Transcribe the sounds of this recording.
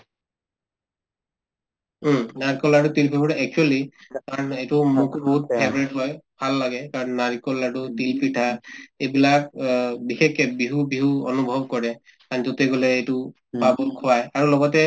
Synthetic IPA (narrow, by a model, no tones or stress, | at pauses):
naɹikɔlatutilpʰipɔtaɛk̚t͡ʃuɔlikaɹɔnejtʊmukubɔɦut̚pʰɛbɹɛtɦɔjbʱalːaɡɛkaɹɔnːaɹikɔlatutilpʰitʰaejbilak̚bixekɛbiɦubiɦuɔnubʱɔb̚kɔɹɛ | kanzɔtɛɡolɛejtʊ | pabɔkʰɔwajaɹulɔɡɔtɛ